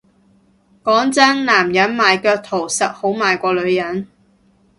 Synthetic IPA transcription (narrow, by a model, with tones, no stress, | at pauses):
kɔː˨˥ŋt͡sɐ˥nlaː˨˩mjɐ˨˥nmaː˨jkœː˧k̚t̪ʰo˨˩wsɐ˨t̚ho˨˥wmaː˨jkʷɔː˧lɵ˨˧ɥjɐ˨˥n